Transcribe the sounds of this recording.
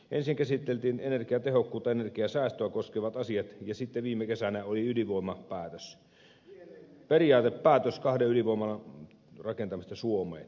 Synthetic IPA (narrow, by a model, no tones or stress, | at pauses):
ʔensiŋkæsit̪ːelt̪iːnenerkiæt̪ehokːuːt̪ːˑɑenerkiæsæˑːst̪øækoskeʋɑt̪ɑsiɑt̪jɑsit̪ːeʋiːmːekesænæoliyliʋoˑimɑpæːt̪øs | periɑːt̪eppæːt̪øskɑhdeyliʋoˑimɑlɑ | rɑkent̪ɑmist̪ɑsuomˑḛːt̪